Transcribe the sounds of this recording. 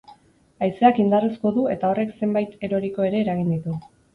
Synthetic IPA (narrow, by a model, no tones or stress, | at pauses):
ajse̞akind̪arisko̞ðue̞t̪ao̞re̞kse̞mbajt̪e̞ɾo̞ɾiko̞e̞ɾe̞ːɾaɣind̪it̪u